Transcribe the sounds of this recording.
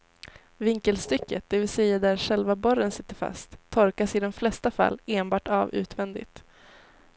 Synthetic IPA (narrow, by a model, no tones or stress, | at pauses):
vɪŋkəlst̪ʏkːət̪̚d̪̥ɛvɪlsɛjːad̪æɾʂɛlvabɔɾːənsɪt̪ːəɾfa̰st̪ʰːɔɾkasɪd̪ɔmflɛst̪afa̰lːeːnbɑːʈavʉ̰ːt̪ʰvɛnd̪ɪ̰t̪